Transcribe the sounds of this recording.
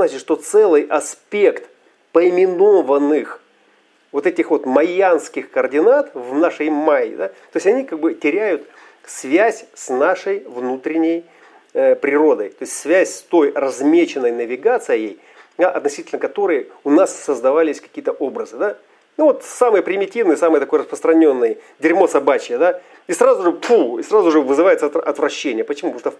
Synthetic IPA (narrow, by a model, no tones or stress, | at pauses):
znat͡ɕɪt̪ʂt̪o̞t̪sɛlˠɨjʔɐspʲe̞kt̪ | pəɪmʲɪno̞vənːɨx | vo̞t̪ɛtʲɪxvo̞t̪mɐjanskʲɪxkəərdʲɪnat̪vnaʂəjmajɪ̰d̪at̪o̞jɪsʲɐnʲikaɡ̚bɨtʲɪɾʲæjʊt̪ | svʲæsʲsnaʂəjvnut̪ɾʲɪnʲɪj | pɾʲɪɾo̞d̪əjt̪o̞ɪstʲsvʲæsʲst̪o̞jrɐzmʲet͡ɕɪnːəjnəvʲɪɡat̪sɨɪjej | d̪aʔɐt̪nɐsʲitʲɪlʲnəkɐt̪o̞ɾɨjəʊnasːəzd̪ɐvalʲɪsʲkɐ̥kʲijət̪əʔobɾəzɨd̪a | nuvo̞t̪samɨjəpɾʲɪmʲɪtʲivnɨjsamɨjət̪ɐko̞jrɾəspɾəst̪ɾɐnʲo̞nːɨj | dʲɪɾʲmo̞sɐbat͡ɕɪjəd̪a | israzʊʐɨpʰuisrazʊʐɨvɨzɨvajɪt̪sɐt̪ɐt̪vɾɐɕːenʲɪjəpət͡ɕɪmup̪moʂt̪